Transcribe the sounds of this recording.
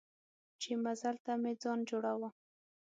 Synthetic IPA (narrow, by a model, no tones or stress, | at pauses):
t͡ʃemazalt̪amɪd͡zɑnd͡ʒoɽawa